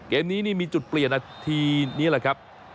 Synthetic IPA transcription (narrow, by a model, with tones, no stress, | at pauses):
keː˧mniː˦˥niː˥˩miː˧t͡ɕu˨˩t̪̚pli˨˩ənʔa˧˩t̪ʰiː˧niː˦˥laː˨˩kʰa˦˥p̚